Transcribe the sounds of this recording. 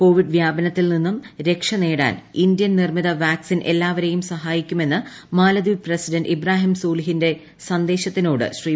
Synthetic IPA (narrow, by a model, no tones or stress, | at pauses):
ko̞ːʋiɖʋjaːbɐnɐt̪ːilninːumɾe̞kʂɐne̞ːɽa̰ːnindjɐnnirmiðɐʋaːksinʔe̞lːaːʋɐɾe̞jumsɐɦaːjikʲːume̞nːɨ | maːlɐd̪iʋprɐsidɐnɖibraːɦimsuːliɦinde̞ | sɐnd̪e̞ːɕɐt̪ːinoːɽɨ̰ɕriː